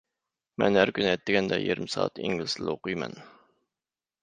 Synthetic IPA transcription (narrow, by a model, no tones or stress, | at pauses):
mɛnhæɾkʲynɛt̪ːɪɡʲɛnd̪ɛjiɾmsɑ̰ːt̪ɪ̰ŋʲilɪsɪloqujmɛ̰n